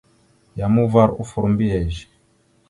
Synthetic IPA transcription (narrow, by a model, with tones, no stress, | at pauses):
ja˨mu˦va˦ɾu˦fu˨ɾmbi˦ɛ˨ʒi̥˨